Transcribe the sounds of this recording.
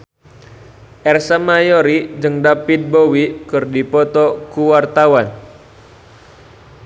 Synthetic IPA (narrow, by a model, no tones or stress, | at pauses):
ʔɛrsamajoɾid͡ʒɨŋdapit̪̚bowikɨrdipɔt̪ɔkuwart̪awan